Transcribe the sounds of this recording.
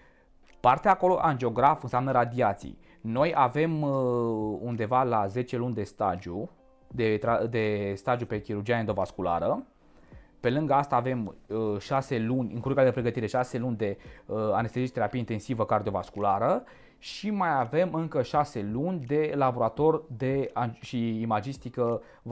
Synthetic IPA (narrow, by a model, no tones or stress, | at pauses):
part̪eaːko̞lo̞ʔand͡ʒeo̞ɡɾafɨnseamnəɾad̪iat̪sḭj | no̞jave̞m | und̪e̞valaze̞t͡ʃe̞lunʲd̪e̞st̪ad͡ʒu | d̪et̪ad̪e̞st̪ad͡ʒ̪jupe̞kʲiɾurd͡ʒijaned̪o̞vaskula̰ɾə | pe̞lɨŋɡəast̪aːve̞mʃase̞lunʲɨ̰ŋkuɾukad̪e̞pɾe̞ɡət̪iɾe̞ʃase̞lunʲd̪e̞anest̪eziʃt̪eɾapieint̪e̞nsivəkard̪io̞va̰skulaɾə | ʃimajave̞mɨŋkəʃase̞lunʲd̪e̞labo̞ɾat̪o̞rʲd̪e̞aʃiːmad͡ʒist̪ikə